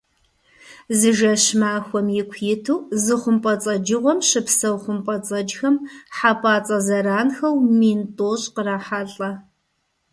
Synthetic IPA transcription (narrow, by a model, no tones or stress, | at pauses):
zɨʒɐɕmaːxʷɔmjɪkʷʰjɪtʰuːzɨχʷʊmpʼɐt͡sʼɐd͡ʒɨʁʷɔmɕɨpsɐwχʷʊmpʼɐt͡sʼɐd͡ʒxɐmħapʰʼaːt͡sʼɐzɐɾaːnxɐwmiːntʼoːɕʼqəraːħaɬʼɐ